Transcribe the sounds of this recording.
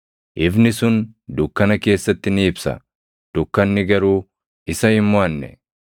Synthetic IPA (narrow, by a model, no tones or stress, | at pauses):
ʔɪbnɪsʊnd̪ʊkːɐnɐke̞ːsːɐt̪ːɪnɪːbsɐ̰ | d̪̥ʊkːɐnːɪɡɐɾuː | ɪsɐhɪmːʊɐnːɛ̰